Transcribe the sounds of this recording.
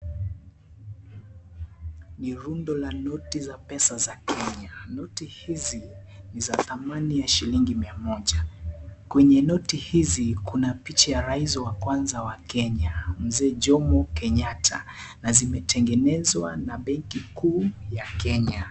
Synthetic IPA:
niɾundɔlanɔtizapɛsazakɛɲanɔtihizi | nizaθamanijaʃiliŋɡimiamɔʄakwɛɲɛnɔtihizikunapit͡ʃajaɾaizɔwakwanzawakɛɲam̩zɛːʄɔmɔkɛɲatʰa̰nazimɛtʰɛŋɡɛnɛzwa̰naɓɛŋkikuːjakɛɲa

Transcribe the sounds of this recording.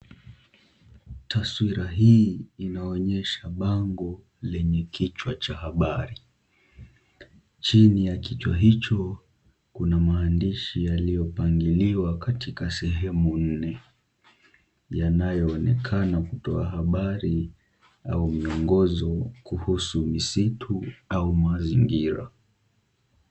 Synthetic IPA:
taswiɾaɦiːinaɔɲɛʃaɓaŋɡɔ | lɛɲɛkʰit͡ʃwat͡ʃahaɓaɾi | t͡ʃinijakit͡ʃwaɦit͡ʃɔ | kunamaːndiʃijalijɔpaŋɡiliwakatʰikasɛɦɛmun̩nɛ | janajɔːnɛkʰanakutɔaɦaɓaɾi | aumiɔŋɡɔzɔkuhusumisitʰuaumaziŋɡiɾa̰

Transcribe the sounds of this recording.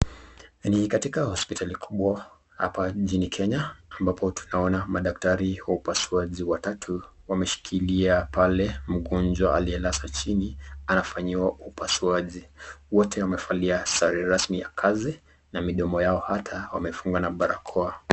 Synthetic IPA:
nikatikahɔspitʰalikʰuɓwa | ha̰pad͡ʒinikʰɛɲaːmbapʰɔtʰu̥naɔnamaɗak̚taɾiwaupasuaʄiwatatʰu | wamɛʃi̥kʰiliapʰalɛm̩ɠɔnd͡ʒwaaliɛlasat͡ʃinianafaɲiwaupasuaʄiwɔtʰɛwamɛfaliasaɾiɾasmija̰kʰazi | namiɗɔmɔjaɔhatʰawa̰mɛfuŋɡwanaɓaɾakʰɔa

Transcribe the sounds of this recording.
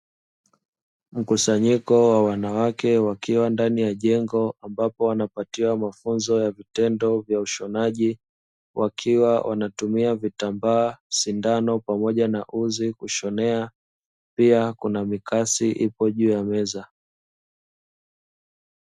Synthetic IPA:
m̩kusaɲikɔwawanawakɛwakiwandanijaʄɛŋɡɔambapɔwanapatiwamafunzɔjavitɛndɔvjauʃɔnaʄi | wʔakʰiwawʔa̰natumiavitambaːʃindanɔpamɔʄanaʔuzikuʃɔnɛa | piakunamikasiʔipɔʄuːjamɛza

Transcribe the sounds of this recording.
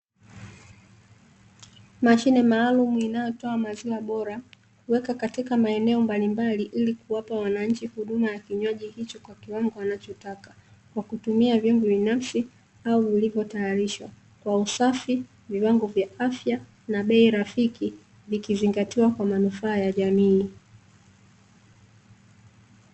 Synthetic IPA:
maʃinɛmaːlumuinajɔtɔamaziwaɓɔɾa | kuwɛkakatikamaɛnɛɔmbalimbaliʔilikuwapawanaɲ̩t͡ʃihuɗumajakiɲwaʄihit͡ʃɔkwakiwaŋɡɔanat͡ʃɔtakḁkwakutumiavjɔŋbuɓinafsi | auvilivjɔtajaɾiʃwa | kwausafi | viwaŋɡɔvjaʔafja | naɓɛiɾafiki | vikiziŋɡatiwakwamanufaːjaʄamiː

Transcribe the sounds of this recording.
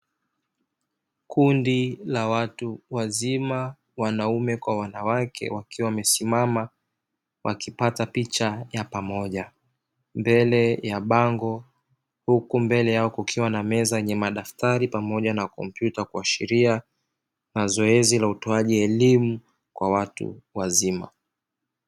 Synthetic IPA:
kʰundilawatuwazima | wanaumɛkwawanawakʰɛ̰wakiwawmɛsimama | wʔakipatapit͡ʃajapamɔʄa | mbɛlɛjaɓaŋɡɔ | hukumbɛlɛjaɔkukʰiwanamɛzajɛɲɛmaɗaftaɾipamɔʄanakɔ̰mpjutakuaʃiɾia | nazɔɛzilautɔaʄiɛlimu | kwawatṵwazima̰

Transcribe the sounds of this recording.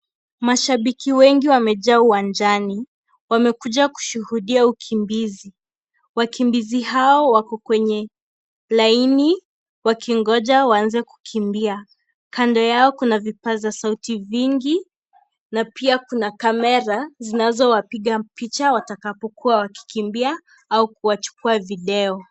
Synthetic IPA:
maʃaɓikiwɛŋɡiwamɛʄauwand͡ʒani | wamɛkuʄaku̥ʃuhuɗiaukʰimbizi | wakimbiziɦaɔwakɔkwɛɲɛ | laini | wakiŋɡɔʄawaanzɛku̥kʰimbia | kandɔjaɔkunavipazasautiviŋɡi | napiakunakamɛɾazinazɔwapiɠapit͡ʃawatakapɔkuawaki̥kimbia | aukuwat͡ʃu̥kuaviɗɛɔ

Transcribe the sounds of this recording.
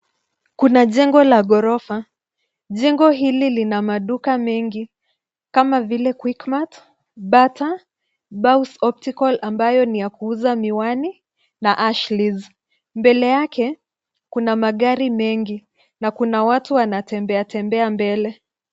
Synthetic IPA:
kunaʄɛŋɡɔlaɠɔɾɔfa | ʄɛŋɡɔɦililinamaɗukamɛŋɡi | kamavilɛkwikmat | ɓata | ɓawsɔp̚tikɔlambajɔnijakuuzamiwani | naʔaʃliz | mbɛlɛjakʰɛ | kunamaɠaɾimɛŋɡi | nakunawatuwanatɛmbɛatɛmbɛambɛlɛ

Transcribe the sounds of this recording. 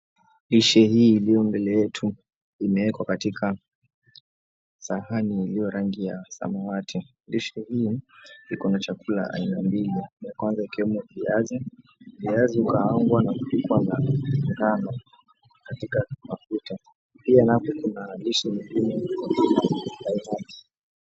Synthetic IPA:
liʃɛhiːlijɔmbɛlɛɛtʰu | imɛɛkwakatikʰa | sahaniːlijɔɾaŋɡijasa̰mawatʰi | liʃɛhiːikɔnat͡ʃakula̰ʔa̰inambilinjakwanzaikiwɛmuviazɛ | viazɛukaaŋɡwanaku̥pikwanaŋɡana | katikamafuta | pianapɔkunaliʃɛmiɡimiakulaainail

